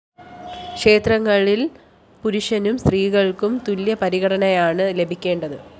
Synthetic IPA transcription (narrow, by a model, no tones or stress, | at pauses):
kʂe̞ːt̪rɐŋːɐɭil | puɾuʂɐnumst̪riːɣɐɭkumt̪uljɐpɐɾiɣɐɽɐnɐjaːɳɨle̞bʱikʲːe̞ːɳɖɐðɨ